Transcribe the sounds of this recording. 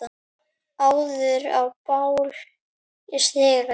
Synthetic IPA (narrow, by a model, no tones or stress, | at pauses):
a | awðʏɾa̰wpawl | ɪst̪ɛːɣa